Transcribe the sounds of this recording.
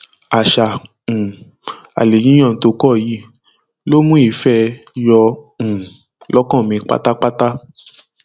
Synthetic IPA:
a˨ʃa˨ | ũ˨ | a̰˨le˨jĩ˨˦ã˦˨˦to˧kɔ˦˨ji˦˨ | lo˦mũ˦i˨˧˦fɛ˦jɔ˧ũ˨ | lɔ˦kɔ̃˦˨mĩ˧k͡pa̰˦ta˦k͡pa˦ta˦

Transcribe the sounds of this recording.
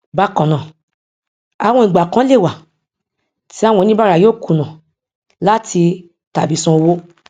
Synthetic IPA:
ba˧kɔ̃˨nã˨ | a˨wɔ̃˧ĩ˨ɡ͡ba˨kã˨˦le˦˨wa˨ | ti˨˦a˦˨wɔ̃˧nĩ˦ba˦ɾa˨joː˦˨ku˨nã˨ | la˦ti˧ | ta˨bi˨˦sɔ̃˧o˧wo˦

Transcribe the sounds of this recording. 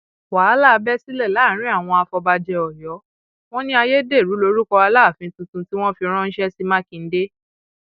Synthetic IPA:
wa˨˦la˦˨˧bɛ˦si˦lɛ˦˨la˨˦˨ɾ̃ĩ˦a˦˨w̃ɔ̃˧a˧fɔ˧ba˧d͡ʒɛ˧ɔ˨jɔ˨˦ | w̃ɔ̃˦nĩ˦a˧je˦de˦˨ɾu˨˦lo˧ɾu˦kɔ˧a˧la˦˨fĩ˨˦tũ˧˦tũ˧ti˦w̃ɔ̃˦fi˧ɾ̃ɔ̃˦n̩˦ʃɛ˦si˦mã˦kĩ˧n̩˦de˦

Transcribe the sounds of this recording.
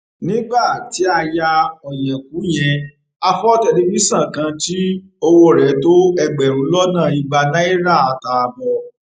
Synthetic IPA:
nĩ˦ɡ͡ba˦˨ti˨˦a˧ja˧ɔ˨jɛ̃˨k̚u˨˦j̃ɛ̃˧ | a˧fɔ˦tɛ˧di˦mĩ˦sã˦˨kã˧ti˦ | o˧wo˦˨ɾɛ˨˦to˦ɛ˧ɡ͡bɛ˨ɾ̃ũ˨˦lɔ˦nãː˦˨i˧ɡ͡ba˧nã˦i˦ɾa˦˨a˧ta˧a˧bɔ˧

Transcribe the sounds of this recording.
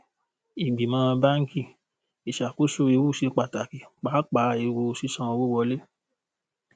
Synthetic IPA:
i˨ɡ͡bi˨mã˧ɾã˧ba˦ŋ̩˦ki˦˨ | i˨ʃa˨ko˦so˧e˧wu˦˨se˨˧˦k͡pa˨ta˨ki˨k͡pa˨˦k͡pa˨˦e˧wu˧˨si˦sã˦˧ɔ̃˧wo˦wɔ˧le˦

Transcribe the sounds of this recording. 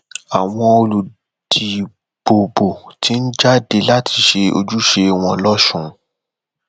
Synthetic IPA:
a˨w̃ɔ̃˧o˧lu˨ | d̥i˨ | b̥o˨bo˨tʰi˨˦n̩˦d͡ʒa˦de˧la˦tʰi˧ʃe˧o̰˧d͡ʒu˦ʃe˧w̃ɔ̃˧lɔ˦ʃũ˦˨˦

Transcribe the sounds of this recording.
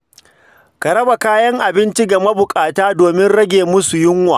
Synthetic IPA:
ka˨ɾɐ˦ba˨kaː˦jɐ˦ŋʔa˨bɪ˦nt͡ʃi˦ɡa˨mɐ˦bʊ˨kʼaː˨taː˦doː˨mɪ˦nɽɐ˦ɡʲeː˨mʊ˦su˨jɪ˦ŋwa̰ː˨

